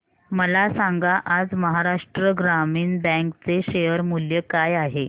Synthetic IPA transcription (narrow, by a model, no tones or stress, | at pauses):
məlasãŋɡaʔad͡zməɦaɾaʂʈɾəɡɾamiːnbɛ̃ŋkt͡seɕejəɾmuljəkajaɦe